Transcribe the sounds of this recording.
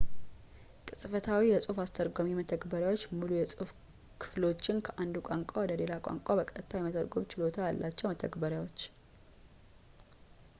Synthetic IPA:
kʼɨsʼfət̪ʰawijɛsʼufast̪ʰəɾɡomimət̪ʰəkbəɾjawot͡ʃːmulujɛsʼɨf | kʰɨ̥flo̞t͡ʃːɪnkʰəʔand̪ukʷʼaŋkʷʼawɔd̪əle̞lakʷʼa̰ŋkʷʼabəkʼət̪ʰːajɛmət̪ʰəɾɡomt͡ʃɪlo̞t̪ʰajalːʔat͡ʃːɛwmət̪ʰəɡbəɾjawot͡ʃː

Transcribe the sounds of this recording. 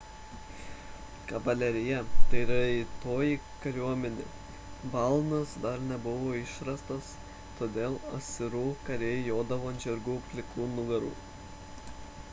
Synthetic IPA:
kɐʋɐlʲɛɾʲɪjɛt̪ɐɪɪɾɐɪt̪oːjiː | kɐɾʲuɔmʲɛnʲḛː | bɐlˠnɐsd̪ɐɾnʲɛbʊʋoːɪʃɾɐst̪ɐs | t̪oːd̪ʲeːlˠɐsʲɪɾuːkɐɾʲeːjoːd̪ɐʋoːɐnʲd͡ʒʲɛɾɡuːpʲlʲɪkˠuːnʊɡɐɾṵː

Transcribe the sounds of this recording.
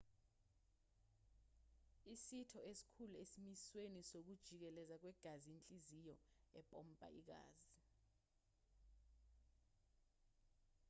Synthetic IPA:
isitʰɔesi̥kʰuluesimiswenisok̬ud̥ʒ̥ʱik̬ɛlɛzak̬wɛɡ̥ʱazient͡ɬʼizijɔɛpʼɔm̩pʼa̰ʔik̬a̰ːzi

